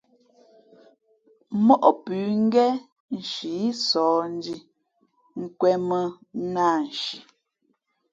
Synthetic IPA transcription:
mɔ˦ʔɔ˦pʉː˨˦ŋ̩˦ɡɛ˦ | n̩˨ʃi˨i˦sɔː˨˦n̩˦di˦ | ŋ̩˦˨kwɛ˦mə˦ | na˦˨n̩˨ʃi˨

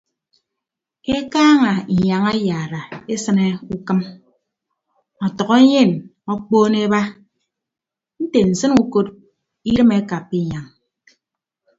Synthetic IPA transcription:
e˦kaː˦ŋa˨i˨ɲa˨ŋa˦jaː˨ɾa˨e˦sɨ˦ne˦u˦kɨ˦m | ɔ˨tɔ˨ɣɔ˦e˦ɲe˦˨nɔ˦k͡poː˦ne˦ba˦ | n̩˦te˨n̩˨sɨ˦nu˦ko˦t | i˦ɾɨ˦me˦ka˨pːi˦˨ɲa˨ŋ

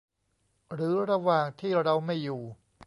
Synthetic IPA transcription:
ɾɯː˩˦ɾa˧waː˨˩ŋt̪ʰiː˥˩ɾa˧wma˥˩jːuː˨˩

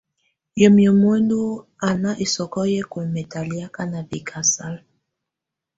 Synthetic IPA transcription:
jɔ˨mjɔ˨mɛ˦ndu˦ | a˨na˦ʔi˨sɔ˨kɔ˦jɛ˦ku˨mɛ˨ta˨li˦a˦ka˦na˨vi˨kʰa˨sa˦l

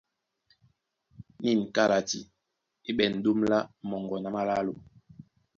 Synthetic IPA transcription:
ni˦˨n˨ka˦la˨ti˨ | i˦ɓɛ˨n̩˨do˦mla˦mɔ˨ŋɡɔ˨na˨ma˦la˦lo˨

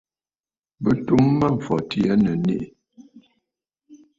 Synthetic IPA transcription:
bə˦tu˦mːa˦ɱ̩˨fɔ˨ti˦a˦nə˨nḛ˦ʔ

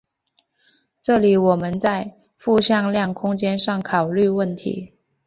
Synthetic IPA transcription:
ʈ͡ʂɤ˥˩li˨˧˥wɔ˨˩mə˧˦nt͡sa˥˧ɪ | fu˥˧ɕjɑ˥˧ŋljɑ˥˩ŋkʰʊ˥ŋt͡ɕjɛ˥nʂɑ˥˩ŋkʰɑ˨˩ʊly˥˧wə˥˩nt̪ʰḭ˧˥

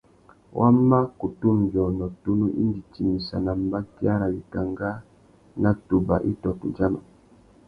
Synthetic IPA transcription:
wʔa˦ma˦ku˨tu˦m˨bjɔ˨nɔ˨tu˦nu˦ʔi˦ndi˨ti˨mi˨sa̰˨na˨mba˦ki˦a˦ɾa˨li˨ka˨ŋɡa˦ | na˨tu˨ba˨ʔi˦tɔ˨tu˨nd͡ʒa˦ma˨

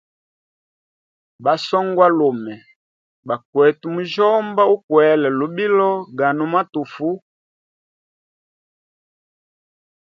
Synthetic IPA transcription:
ba˨sɔ˦ŋɡwa˦lo˨mɛ˨ | ba˨kwɛ˨tu˨mu˨ʒɔ˦mba˦u˦kwɛ˨˦lɛ˨lu˨bi˦lɔ˦ɡa˨nu˨ma˦tu˨fu˦

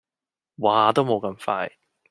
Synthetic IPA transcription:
waː˨t̪o˥wmo˨˧wkɐ˧mfa̰ː˧j

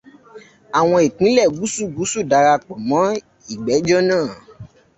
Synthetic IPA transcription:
a˨w̃ɔ̃˧e˨k͡pĩ˨˦lɛ˦˨ɡu˦su˦˨ɡu˨˦su˦˨da˨˧ɾa˧k͡pɔ˨mɔ̃˨˦ | i˦˨ɡ͡bɛ˨˦d͡ʒɔ˦nãː˦˨

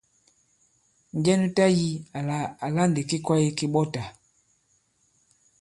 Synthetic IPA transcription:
ɲ˨ɟɛ˦nu˦ta˦ji˦˨a˨la˦nde˨ki˦kwa˦ji˦ki˦ɓɔ˦ta˨

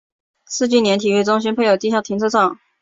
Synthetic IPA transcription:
sʰɹ̩˥˧t͡ɕi˥˩njɛ˧˥nt̪ʰi˨˩ɥy˥˩t͡sʊ˥ŋɕi˥npʰe˥˩ɪjo˨˩ʊt̪i˥˧ɕjɑ˥˩ŋt̪ʰi˧˥nt͡sʰɤ˥t͡sʰɑ˥˩˦ŋ

